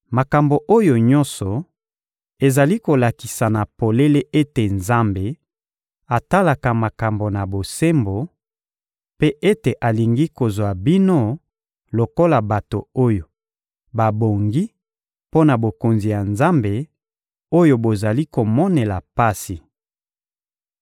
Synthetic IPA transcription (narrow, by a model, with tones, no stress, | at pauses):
ma˨ka˨mbo˨ʔo˦jo˨ɲɔ̃˦sɔ˨ | e˨za˨li˦ko˨la˨ki˨sa˨na˨po˨le˦le˦ʔe˦te˨nza˦mbe˨ | a˨ta˦la˨ka˨ma˨ka˨mbo˨na˨bo˨se˦mbo˨ | pe˦ʔe˦te˨ʔa˨li˨ŋɡi˦ko˨zwa˨bi˦no˦ | lo˨ko˦la˨ba˨to˨o˦jo˨ | ba˨bo˨ŋɡi˦ | po˦na˨bo˨ko˨nzi˨ja˨nza˦mbe˨ | o˦jo˨bo˨za˨li˦ko˨mɔ˦ne˨la˨pa˦si˨